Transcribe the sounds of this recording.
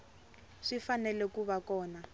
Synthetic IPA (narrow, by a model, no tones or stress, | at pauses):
ʂifanɛlɛkuβakɔːna